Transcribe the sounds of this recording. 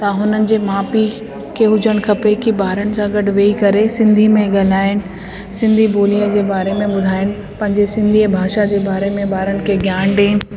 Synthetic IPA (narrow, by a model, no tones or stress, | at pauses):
t̪ɐɦʊnənɪ̆d͡ʑeːmaːpi | kʰeɦʊd͡ʑəɽ̃kʰɐpekibaːɾəɽɪ̆sãɡɐɖʱʊʋeːikɐɾesɪ̃nd̪ʱimẽɡɐl̤aːɪñɪ̆ | sɪ̃nd̪ʱiboːliəd͡ʑeːbaːɾemẽɓʊd̪ʱaːɪnɪ̆ | pɐ̃ɦɪ̃ɲd͡ʑesɪ̃nd̪ʱibʱaːʃad͡ʑeːbaːɾemẽbaːɾənɪ̆kʰeɡʱjaːɳɖeːnɪ̆